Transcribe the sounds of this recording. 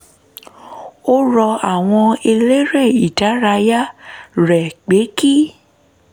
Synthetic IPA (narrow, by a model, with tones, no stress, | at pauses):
o˦ɾɔ˧a˨w̃ɔ̃˧e˧le˦ɾɛ˦˨i˨ta˨˦ɾa˧ja˦ɾɛ˨k͡pe˨˦ki˦